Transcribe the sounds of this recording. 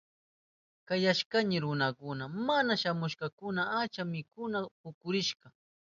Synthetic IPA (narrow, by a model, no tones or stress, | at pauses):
kajaʃkaɲɪɾʊnakʊnamanaʃamʊʃqɑkʊnaat͡ʃamɪkʊnapʊkʊɾɪʃqɑ